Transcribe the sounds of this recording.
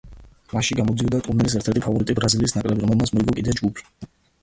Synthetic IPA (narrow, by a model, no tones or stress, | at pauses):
maʃiɡamɔd̪ziɔd̪at̪ʼunilis̬ɛɾt̪ʰɛɾt̪ʰipʰavɔɾit̪ʼibɾaziliːsnakʼɾɛbiɾɔmɛlˠmt̪sʰmɔiɡɔkʼid̪ɛd͡ʒɡupʰi̥